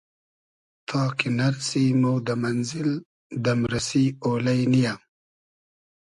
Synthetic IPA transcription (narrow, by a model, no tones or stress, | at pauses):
t̪ʰɑːkenaɾsimowd̪əmanzɪl | d̪əmɾasiolajnijam